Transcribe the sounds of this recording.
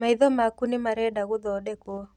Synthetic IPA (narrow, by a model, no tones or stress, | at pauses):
maɪðɔmakunɪmaɾɛdaɣʊðɔdɛkɔ